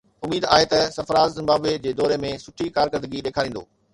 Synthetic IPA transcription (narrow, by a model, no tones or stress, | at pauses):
ʊmiːd̪a̰ːɦet̪ɐsɐfɾaːzzɪ̃mbaːbed͡ʑeːd̪ɔːɾemẽsʊʈʰikaːɾkəɾd̪əɡiɗeːkʰaːɾĩːn̆d̪o̰ː